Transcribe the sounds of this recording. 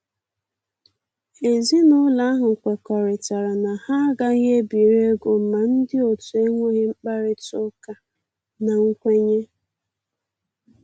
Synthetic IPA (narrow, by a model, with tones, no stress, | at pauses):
e˨zi˦nʊ˦la˦a˦ɦʊ˨kʷe˨kɔ˨ɾɪ˨ta˨ɾa˨na˨ha˦ɡa˦ɲe˦bi˨ɾe˦ɡo˨m̩˨ma˨n̩˦dɪ˦o˨tu˨e˦ŋʷo˦ɣɪ˦ŋ͡m̩˦k͡pa˦ɾɪ˦tʊ˦ka˨ | na˨ŋ̩˦kʷe˦ɲe˦